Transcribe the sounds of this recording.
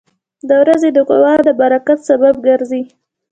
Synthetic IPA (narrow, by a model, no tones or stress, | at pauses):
d̪əwɾazed̪əqʊ̰wɑd̪əbaɾakat̪sabab̚ɡaɾzi